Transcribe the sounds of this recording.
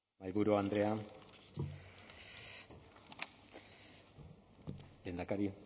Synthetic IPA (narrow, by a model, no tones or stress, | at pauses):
majβuɾuand̪ɾea | le̞ːnd̪akaɾi